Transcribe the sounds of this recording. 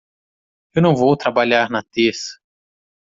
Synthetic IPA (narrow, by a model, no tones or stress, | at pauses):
ewnɐ̃w̃vowt̪ɾabaʎaɾnɐt̪esɐ̥